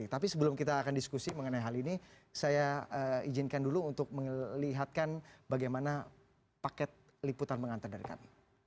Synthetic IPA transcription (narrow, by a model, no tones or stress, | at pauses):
t̪apisəbəlʊmkit̪aːkandiskusiməŋənajɦalini | sajaəid͡ʒɪnkanduluunt̪ʊk̚məliɦat̪̚kanbaɡajmana | pakɛt̪̚ | liput̪anməŋant̪ərdaɾika̰n